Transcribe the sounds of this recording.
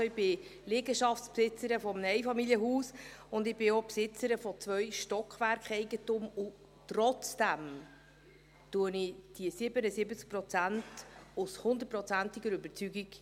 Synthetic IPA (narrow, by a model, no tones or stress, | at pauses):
ɪb̥ɪlɪɡəʃɑftspsɪt͡səɾəfɔmnɛɪfɑmiljəɦuːsʊnd̪ɪb̥ɪopsɪt͡səɾəfɔt͡sʋœʏʃtɔkχʋæɾkχɛɪɡəntʊmʊ | trɔt͡sd̥æm | tuənɪd̥iəsɪbənəsɪbət͡sk̚pɾɔt͡sæntʊshʊndət̚pɾɔt͡sæntiɡəɾøbəɾt͡syɡik